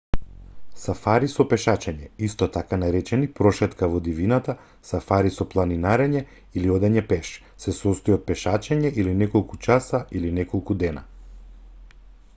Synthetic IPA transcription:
safaɾisɔpɛʃat͡ʃɛɲɛist̪ɔt̪akanaɾɛt͡ʃɛnipɾɔʃɛt̪kavɔd̪ivinat̪a | safaɾisɔplˠaninaɾɛɲɛ | iliɔd̪ɛɲɛpɛʃ | sɛsɔst̪ɔjɔt̪̚pɛʃat͡ʃɛɲɛʔilinɛkɔlˠkut͡ʃasaʔilinɛkɔlˠkud̪ɛna̰

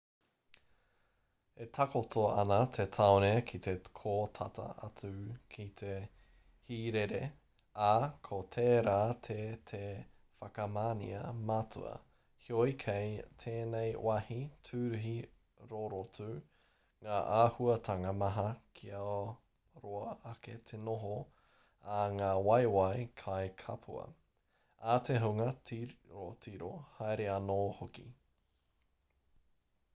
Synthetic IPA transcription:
etʰakotʰoɐ̰nɐt̪ʰetʰaonekʰit̪ekʰoːtʰatɐ̰ɐ̰t͡sʉkʰit̪ʰe̞ | hiːɾeɾe | akʰotʰeːɾaːtʰetʰe | fɐkɐmaːnḭɐmaːtʰṵɐ̰ | hiojkʰejtʰeːnejwahitʰʉːɾʉɦi | ɾoɾotuː | ŋaːʔaːhuɐtʰɐŋɐmɐɦɐkʰiɐ | ɾoɐɐket̪ʰenoɦo | ɐŋaːwɐjwajkʰaekʰɐpʰṵɐ̰ | at̪ʰeɦuŋɐtiɾotʰiɾohajɾeɐnoːhokḭ

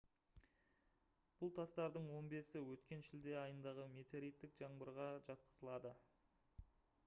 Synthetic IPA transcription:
b̥ʊlˠt̪ʰɑst̪ɑɾd̪əɴwo̞nbe̞sɪwɵt̪kʲe̞nʃɪld̪e̞ɑjənd̪ɑʁəme̞t̪ʰe̞ɾijt̪ːɪkʒ̥ɑɴbəɾʁɑʒɑt̪qʰə̥zəlˠɑd̪ə

